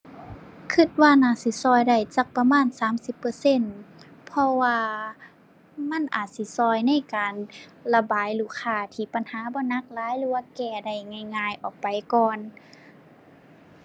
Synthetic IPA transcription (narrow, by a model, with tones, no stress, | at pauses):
kʰɯ˧˩t̪̚waː˧naː˧˩˨si˧˦sɔː˧˩˨jda˧˩jt͡ɕaː˧˩k̚pa˧maː˧˥˨nsaː˨˦msi˧˦pːɤː˧˦se˧˥˨n | pʰɔ˧waː˧ | ma˧˥˨nʔa̰ː˨˩t̪̚si˧˦sɔː˧˩jna˧˥˨jkaː˨nla˧baː˨jluː˧˩kʰaː˧˩t̪ʰiː˧˩pa˨nhaː˨˦bɔː˧˦na˧˥k̚laː˨˦jlɯː˧˦waː˧˨kɛː˧˩da˧˩jŋa˧˩˨jŋaː˧˨jʔɔː˨˩k̚pa˨jkɔː˧˨n